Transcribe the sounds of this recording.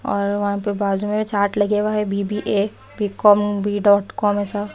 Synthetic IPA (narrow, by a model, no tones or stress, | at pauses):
ɔːɾʋɐɦãpebaːd͡ʒumẽet͡ʃaːɾʈlɐɡeʋaɦɛbiːbiʔe | biːkɔːmbʱiːɖɔːʈkɔːmɛːsa